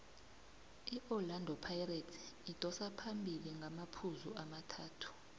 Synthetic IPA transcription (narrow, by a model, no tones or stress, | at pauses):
iʔɔlandʱɔpʰajratʰi̥ːtʼɔsapʰambʱiliŋɡʱamapʰuzuamatʰaːtʰu̥